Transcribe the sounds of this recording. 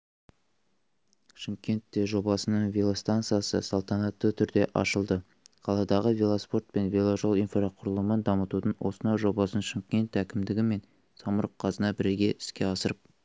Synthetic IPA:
ʃəŋkʲe̞nt̪ːe̞ʒo̞bɑsənəɴvʲelˠast̪ant̪sɨjasə̰sɑlˠt̪ɑnɑt̪ːət̪ʰʏɾd̪e̞ʔɑ̰ʃəlˠd̪ə | qʰɑlˠɑd̪ɑʁəvʲelˠaspo̞rt̪̚pe̞nvʲelˠaʒo̞lˠinfɾaqʰʊɾəlˠəmənd̪ɑmət̪ut̪ənwʔo̞̰sənɑjʒo̞bɑsənʃəŋkʲe̞nt̪ækʲɪmd̪ɪɡʲɪme̞n | sɑməɾəqʰːɑzənɑbɪɾe̞ɡʲe̞ɪ̥skʲe̞ɑsəɾəp̚

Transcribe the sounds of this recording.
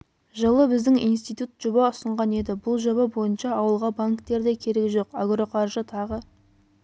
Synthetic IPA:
ʒəlˠəbɪzd̪ɪŋḭjnst̪ijt̪ut̪ʒ̥obɑʊsəɴʁɑne̞d̪ɪbʊlˠʒobɑbo̞jənʃɑːwəlˠʁɑbaŋkt̪e̞ɾd̪e̞kʲʰe̞ɾe̞kʲʒo̞qaɡro̞qʰɑɾʒət̪ʰɑʁə

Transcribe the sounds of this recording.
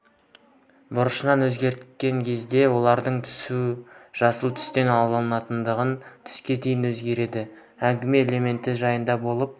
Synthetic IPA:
bʊɾəʃənɑnwɵzɡʲe̞ɾt̪kʲe̞ŋkʲʰe̞zd̪e̞wo̞lˠɑɾd̪əɴt̪ʰʏ̥suʒ̥ɑsəlˠt̪ʰʏ̥st̪e̞nɑlˠəlˠənɑt̪ənd̪əʁənt̪ʰʏ̥skʲe̞d̪ejɪnwɵzɡʲe̞ɾe̞d̪ɪ | æŋɡʲɪme̞ːlʲe̞me̞nt̪ɪʒɑjənd̪ɑbo̞lˠəp̚

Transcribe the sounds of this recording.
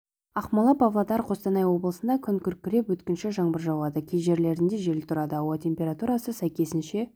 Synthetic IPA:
ɑqmɑlˠɑpʰɑvlˠɑd̪ɑɾqʰo̞st̪ɑnɑjwo̞bəlˠəsənd̪ɑkʲʰʏŋkʲʰʏɾkʲːɪɾe̞pwɵt̪kʲɪnʃɪʒɑɴbəɾʒɑwlˠɑd̪əkʲʰejʒe̞ɾle̞ɾɪnd̪eʒe̞lɪt̪ʰʊɾɑd̪əɑwɑt̪ʰʲe̞mpʲe̞ɾat̪uɾɑsəsæjkʲe̞sɪnʃe̞

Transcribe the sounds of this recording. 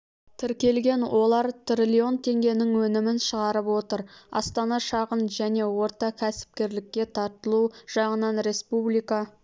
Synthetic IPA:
t̪ʰɪɾkʲe̞lɡʲe̞nwʔo̞lˠɑɾt̪ʰɾilʲio̞nt̪ʰe̞ŋɡʲe̞nɪŋwɵnɪmɪnʃəʁɑɾəpwo̞t̪əɾɑ̰st̪ɑnɑʃɑʁənʒæne̞wo̞ɾt̪ɑkʲʰæsɪ̥p̚kʲe̞ɾlɪkʲːe̞t̪ʰɑɾt̪əlˠuʒ̥ɑʁənɑnɾe̞spublijkɑ

